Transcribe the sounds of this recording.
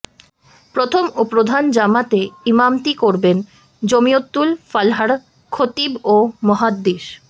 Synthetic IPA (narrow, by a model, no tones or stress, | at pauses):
pɾot̪ʰomopɾod̪ʱand͡ʑamat̪eimamt̪ikoɾben | d͡ʑomijot̪ːulfalɦaɽ | kʰot̪ibomɔɦad̪ːiʃ